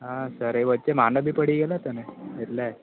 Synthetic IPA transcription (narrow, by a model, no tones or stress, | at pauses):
ɦasəɾeʋəd̪̚t͡ɕemanəbipəɽiɡelat̪əneet̪la